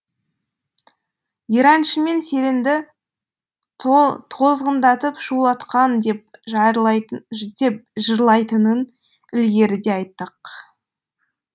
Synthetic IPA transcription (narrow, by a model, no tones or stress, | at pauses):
iɾɑnʃəme̞nse̞lɪnd̪ɪ | t̪ʰo̞zʁənd̪ɑt̪əpʃulˠɑt̪qɑnd̪e̞p̚ʒɑjɾlˠɑd̪e̞p̚ʒəɾlˠɑjt̪ənən | ɪlɡʲe̞ɾɪd̪e̞ɑjt̪ːəq